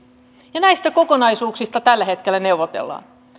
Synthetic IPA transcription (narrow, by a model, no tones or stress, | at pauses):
jɑnæist̪æko̞ko̞nɑjsuːksist̪ɑt̪ælːæɦe̞t̪kelːæne̞wʋot̪ḛlːɑ̰ːn